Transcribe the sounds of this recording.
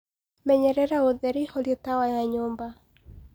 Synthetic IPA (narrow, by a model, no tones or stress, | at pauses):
mɛɲɛɾɛɾaoðɛɾiholjɔtawajaɲomba